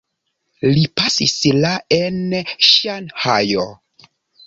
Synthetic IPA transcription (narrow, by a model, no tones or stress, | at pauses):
lipasislaenʃanhajo